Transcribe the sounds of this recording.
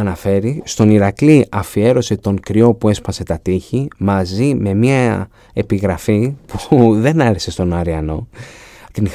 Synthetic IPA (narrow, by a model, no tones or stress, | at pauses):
ɐnɐfe̞ɾist̪o̞niɾɐkliʔɐfie̞ɾo̞se̞t̪o̞ŋkɾio̞pue̞spɐse̞t̪ɐt̪içimɐzime̞miɐ | e̞piɣɾɐfipuðe̞nɐɾese̞st̪o̞nɐɾiɐno̞t̪inx